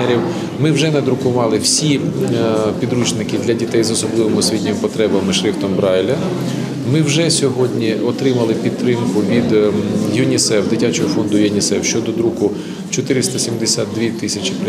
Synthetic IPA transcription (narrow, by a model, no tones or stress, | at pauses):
ɛɾʲiw | mɪwʒɛnɛd̪ɾʊkʊʋɑlˠɪwsʲi | pʲid̪ɾut͡ʃnɪkɪd̪lʲɐdʲit̪ɛjzɔsɔblˠɪʋemʊsʲʋʲitʲnʲɪmpɔt̪ɾɛbɐmɪʃɾɪft̪ɔmbɾɑjlʲɐ | mɪwʒɛsʲɔɦɔdʲnʲiɔt̪ɾɪmɐlˠɪpʲid̪t̪ːɾɪmkʊʋʲid̪jʊnʲisɛwd̪ɪtʲat͡ʃɔɦɔfɔnd̪ʊjɔnʲisɛwʃt͡ʃɔd̪ɔd̪ɾukʊ | t͡ʃɔt̪ɪɾɪst̪ɐsʲimd̪esʲad̪̚d̪ʋʲit̪ɪsʲɐt͡ʃʲɪ̥pɾ